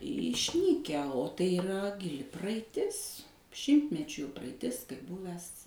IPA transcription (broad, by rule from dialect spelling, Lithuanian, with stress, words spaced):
ɪʃʲˈnʲiːkʲæː oː tɐɪ ɪˈrɐ ɡʲɪˈlʲɪ prɐɐɪˈtʲɪs ˈʃʲɪmʲtʲmʲɛt͡ʃʲuː prɐɐɪˈtʲɪs kɐɪp ˈbʊʋʲɛs